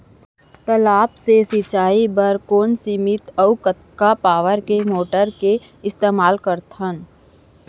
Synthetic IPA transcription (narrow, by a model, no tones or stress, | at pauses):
t̪ɐlaːpsesɪt͡ʃaːibəɾkoːnsimɪt̪ɐukət̪kapaːʋəɾkemoːʈəɾke | ɪst̪eːmaːlkəɾt̪ʰən